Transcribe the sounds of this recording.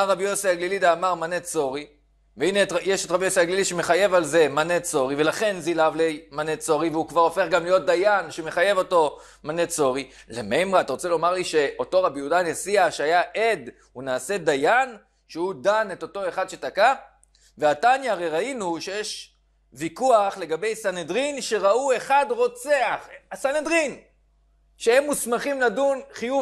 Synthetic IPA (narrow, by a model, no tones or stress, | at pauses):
aʁabijosiaɡlilidaːmaʁmanet͡so̞ʁi | veinetjeʃetʁabijosiaɡliliʃeme̞χaje̞valze̞manet͡so̞ʁive̞laχe̞nzilavlejmanet͡so̞ʁiveukvaʁo̞fe̞χɡamlijo̞t̚d̪ajanʃeme̞χaje̞vo̞to̞ | manet͡so̞ʁi | lemejmʁaat̪aʁo̞t͡se̞lo̞maʁliʃe̞o̞to̞ʁabijudanesiaʃeajaʔed | unaːse̞d̪ajan | ʃeudane̞to̞to̞e̞χadʃe̞taka | veatanjaːʁejʁainuʃejeʃ | vikuaχle̞ɡabe̞jsanedʁinʃe̞ʁaue̞χadʁo̞t͡seaχasanedʁin | ʃeemːusmaχimladunχiju